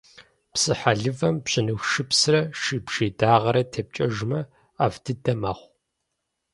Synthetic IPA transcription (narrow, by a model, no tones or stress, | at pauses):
psɨħaɮɨvɐmpɕɪnɨwʃɨpsɨrɐʃiːbʒeːdaːʁɐɾɐtʰɐp̚t͡ʃʼɐʒmɐ | aːftʰɨdɐmaːχʷ